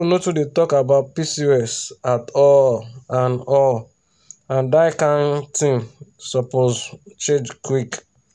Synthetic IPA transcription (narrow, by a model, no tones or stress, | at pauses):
notudetɔkabaʊt̚pisiɛsatɔlãnɔl | ãndaɪkãntĩmsɔpozt͡ʃẽd͡ʒkwik